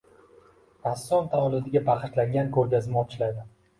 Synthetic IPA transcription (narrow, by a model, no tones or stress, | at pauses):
ɾasːɒnt̪ʰaɒlˠɪd̪ɪɡʲabaχɨʃlaŋʲankʰɵɾɡʲazɪnɒt͡ʃʰlajd̪ɪ